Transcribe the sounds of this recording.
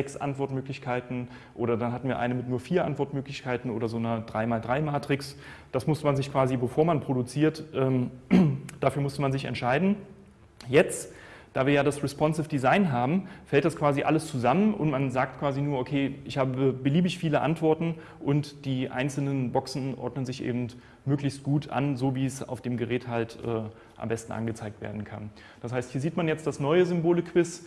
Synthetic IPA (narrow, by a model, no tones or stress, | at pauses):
zɛksʔa̰ntv̥ɔɐtmøːklɪçkʰaɪtn̩ | ʔoːɾɐdanɦatn̩viːɐʔa̰ɪnəmɪtnuːɐfiːɐʔa̰ntv̥ɔɐtmøːklɪçkʰaɪtn̩ʔo̰ːdɐzoːnɐd̥ʁaɪmaːldʁaɪmaːtʁ̥ɪks | d̥asmʊstəmanzɪçkv̥aːzibəfoːɐmanpʁ̥odut͡siːɐtʔɛːm | d̥aːfyːɐmʊstəmanzɪçɛ̰ntʃaɪdn̩ | jɛt͡st | d̥aːviːɐjaːɾdasʁɛspɔnsɪfd̥izaɪnɦaːbm̩fɛlt̚d̥askv̥aːziʔa̰ləst͡suzamənʔʊ̰ntmanzaːk̚tkv̥aːzinuːɐʔokʰeːʔɪçhaːbəəbəliːbɪçfiːləʔa̰ntv̥ɔɐtn̩ | ʔʊntd̥iːʔa̰ɪnt͡sl̩nənbɔksn̩ʔɔ̰ɐdnənzɪçʔḛːbm̩t | møːklɪçst̚ɡ̥uːtʰʔa̰nzoːviːɛsa̰ʊfd̥eːmɡəʁɛːthaltʔɛː | ʔa̰mbɛstn̩ʔa̰nɡət͡saɪk̚tv̥ḛːɐdn̩kʰa̰n | d̥ashaɪsthiːɐziːtmanjɛt͡std̥asnɔʏəzʏmboːlɪkʰv̥ɪs